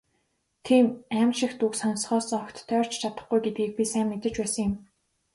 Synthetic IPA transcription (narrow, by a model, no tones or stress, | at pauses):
t̪ʰiːmæmʃɪ̆xt̪uksɔnsχɔːsɔkt̪ʰːœːr̥t͡ɕt͡ɕʰat̪ə̥̆χɡujɡet̪̚ɡiːk̚pʲisæːmːet̪ɘ̆t͡ɕpæːsə̆ŋjɪ̆m